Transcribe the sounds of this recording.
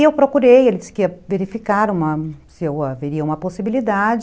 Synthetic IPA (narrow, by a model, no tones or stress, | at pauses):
ewpɾokuɾejelɪd͡ʒiskiɐveɾifikaɾũmɐsɪewaveɾiɐũmɐposibilid̪ad͡ʒ